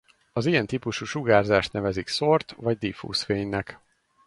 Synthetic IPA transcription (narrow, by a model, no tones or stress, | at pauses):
ɒzijɛnt̪ipuʃuːʃuɡaːrzaːʃt̪nɛvɛzikso̞rt̪vɒɟd̪ifṵːsfeːɲnɛk